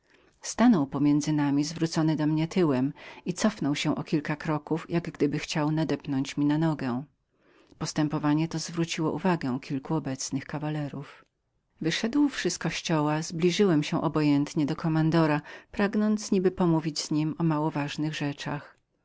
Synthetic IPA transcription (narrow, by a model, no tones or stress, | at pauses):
st̪anɔwpɔmʲjɛnd̪zɘnamʲizvɾut̪sɔnɘd̪ɔmɲɛt̪ɘwɛmit̪sɔfnɔwɕɛ̃ʔɔkʲilkakɾɔkufjʔaɡɡd̪ɘbɘxt͡ɕawnad̪ɛpnɔɲt͡ɕmʲinanɔɡɛ | pɔst̪ɛmpɔvaɲɛt̪ɔzvɾut͡ɕiwɔ̰ʔuvaɡɛkʲilkuɔbɛt̪snɘxkavalɛɾuf | vɘʂɛd̪wfʂɘskɔɕt͡ɕɔwazblʲiʐɘwɛmɕɛ̃ʔɔbɔjɛnt̪ɲɛd̪ɔkɔmand̪ɔɾapɾaɡnɔnt̪sɲibɘpɔmuvʲid͡ʑz̥ɲimɔmawɔvaʐnɘɣʐɛt͡ʂax